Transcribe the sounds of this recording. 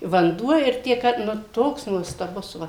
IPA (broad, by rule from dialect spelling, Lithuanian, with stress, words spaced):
ʋɐnˈduɔ ɪr ˈtʲiɛ kɐ ˈnʊ ˈtoːks nuɔstɐˈbʊs ˈʋɐ